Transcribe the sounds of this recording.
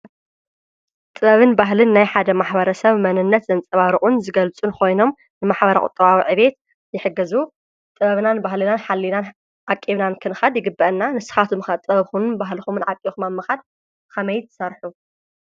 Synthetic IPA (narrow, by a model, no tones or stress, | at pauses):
t̪ʼɨβɐβɨnbaɦlɨnːajħad̪ɐmaħbɐɾɐsɐβmɐnɨnːɐt̪zɐnt͡sʼɐβaɾɨʔʼunzɨɡɐlt͡sʼunkʰo̞jno̞m | nɨmaħbɐɾɐ̰kʼʊ̰t̪ʼɐβawiʕɨβe̞t̪ | jɪħɨɡːɐzu | t̪ʼɨβɐβnanbahlɨnanħalːinan | ʕakʼːiβnankʰɨnɨxad̪jɪɡɨbːɐʔnːanɨsɨ̥xat̪ʰumɨxɐt̪ʼɐβɐβxunɨnbaɦlɨxumɨnʕakʼixumamːɐxad̪̚ | kʰɐmɐjt̪ʰɨ̥sɐɾħu